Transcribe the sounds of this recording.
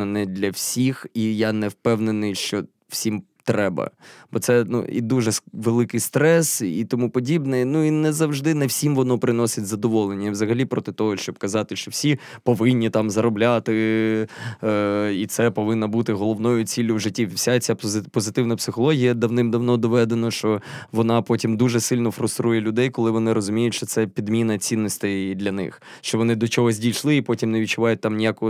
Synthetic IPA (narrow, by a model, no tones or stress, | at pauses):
ɐnɛd̪ʲlʲɐwsʲixijanɛwpɛwnenɪjʃt͡ʃɔ | wsʲim | t̪ɾɛbɐ̰b̥ɔt̪sɛnṵḭd̪uʒɛʋelˠɪkɪjst̪ɾɛsit̪ɔmupɔdʲibnɛnuinɛzɐwʒd̪ɪnɛwsʲimʋɔnɔpɾɪnɔsʲɪtʲzɐd̪ɔʋɔlˠenʲːɐwzɐɦɐlʲipɾɔt̪ɪt̪ɔɦɔʃt͡ʃɔb̚kɐzɑt̪ɪʃt͡ʃɔwsʲi | pɔʋɪnʲːit̪ɑmzɐɾɔblʲat̪ɪ | it̪sɛpɔʋɪnːɐbut̪ɪɦɔlˠɔʋnɔjʊt͡sʲilʲːʊwʒɪtʲːisʲat͡sʲapɔzɪt̪ɪwnɐpsɪxɔlˠɔɦʲijɐd̪ɐwnɪmd̪ɐwnɔd̪ɔʋɛd̪enɐʃt͡ʃɔʋɔnɑpɔtʲimd̪uʒɛsɪlʲnɔfɾʊst̪ɾujɛlʲʊd̪ɛjkɔlˠɪʋɔnɪɾɔzʊmʲijʊtʲʃt͡ʃɔt̪sɛpʲid̪mʲinɐt͡sʲinːɔsʲt̪ɪjd̪lʲɐnɪ̰x | ʃt͡ʃɔʋɔnɪd̪ɔt͡ʃɔɦɔzʲdʲijʃlˠɪipɔtʲimneʋʲit͡ʃːʊʋɑjʊt̚ʲt̪ɑmnʲijakɔɔ